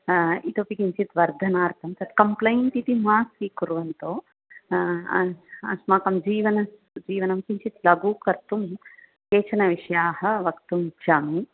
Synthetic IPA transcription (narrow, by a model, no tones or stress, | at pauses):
it̪opikiɲt͡ʃit̪ʋɐɾd̪ʱɐnaːɾt̪ʰɐmt̪ɐt̪kɐmplɐjɳʈit̪imaːsiːkuɾʋɐnt̪oː | ɐ̰smaːkɐmd͡ʒiːʋɐnɐs | d͡ʒiːʋɐnɐmkiɲt͡ʃit̪lɐɡuːkɐɾt̪um | keːt͡ʃɐnɐʋiʂɐjaːɦɐ̆ʋɐkt̪umt͡ʃʰaːmi